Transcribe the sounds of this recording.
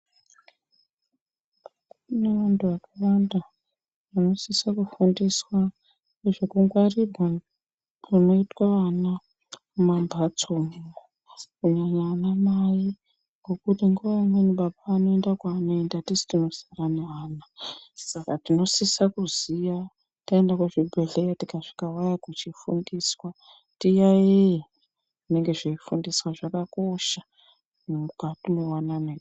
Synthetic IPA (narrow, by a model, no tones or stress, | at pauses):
neʋantʰuʋakawanda | ʋano̞sisakufundiswa | neʐekuŋɡwaribʱwa | runo̞itwaʋana | kumambʱat͡somuo | kuɲaɲaːnamaji | ŋɡo̞kutiŋɡuʋaimweniɓaɓaːno̞endakwaːno̞endatisi̥tino̞siraneɦaːnasakatino̞sisakuzija | taendakuʐibʱeɮejatikaʐi̥kawajakut͡ʃifṵndiswa | tijaje | ʐine̞ŋɡe̞ʐeifundiswaʐakako̞ʃa | mumukatunowanane